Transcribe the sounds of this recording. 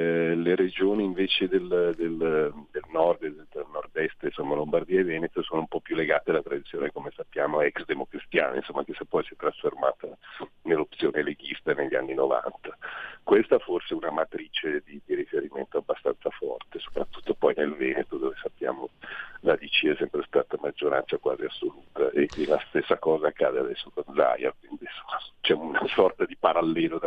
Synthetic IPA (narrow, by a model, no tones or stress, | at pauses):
leɾed͡ʒoːniːɱveːt͡ʃed̪eld̪eld̪elnɔrd̪ed̪ed̪elnɔrd̪ɛst̪einsomːalombard̪iːaivɛːnet̪osoːnoumpɔpːjulːeɡaːt̪ealat̪ɾad̪it̪sjoːnekomesapːjaːmoɛksd̪emokɾist̪ja̰ːna̰ḭnsomːakesapːɔjsiɛt̪ːɾasforma̰ːt̪anelːop̚t̪sjoːneleɡist̪aneʎːia̰nːinova̰nt̪ḁkwest̪aforseunamat̪ɾiːt͡ʃed̪id̪iɾifeɾiment̪oabːast̪a̰nsafɔ̰rt̪eso̥pɾat̪ːu̥t̪ːopɔjnelvɛːnet̪od̪oːvesapːja̰ːmolad̪it͡ʃiɛsɛmpɾest̪aːt̪amad͡ʒːoɾa̰nt̪sakwa̰ːziasːoluːt̪aʔelast̪esːakɔːzaːkʰːad̪ead̪ɛsːokonza̰ja̰kwind̪insomːat͡ʃɛunasɔrt̪ad̪ipaɾalːɛːlod̪